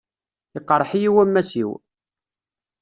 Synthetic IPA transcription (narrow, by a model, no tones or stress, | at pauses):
ɪqːɾˤħijiwæmːæsḭw